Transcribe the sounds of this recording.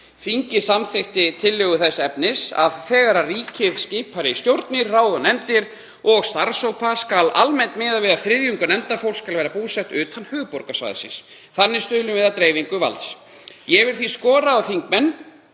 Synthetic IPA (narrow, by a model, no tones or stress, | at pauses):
fiɲcɪsamθɪxt̪ɪt̪ʰɪlːœːɣʏθɛsːaɛpnɪsa̰ðθɛːɣaɾariːcʰɪvscɪːpʰaɾɪist̪jowɾt̪nɪɾraːwðanɛnt̪ɪɾ | ɔɣst̪aɾsowpʰaskala̰lmɛnt̪mɪːðavɪðaθfɾɪðjʏŋkʏnɛnt̪afowlskalvɛːɾapuːsɛht̪ʏːt̪ʰanːhœːɣpɔɾkasva̰ːðɪ̰sɪ̰ns | θanːɪst̪ʏːlʏmvɪðat̪ɾejviŋkʏva̰lt̪s | jɛvɪɾ̥θiskɔːɾaawθiŋkmɛnː